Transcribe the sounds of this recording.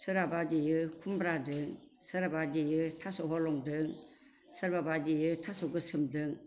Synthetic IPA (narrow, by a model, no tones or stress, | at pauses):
sʰɯɾabad͡ʒijɯkʰumbɾadɯŋsaɾabad͡ʒijɯtʰasoɦɔlɔŋdɯŋ | saɾbabad͡ʒijɯtʰasokɯsʰɯmdɯŋ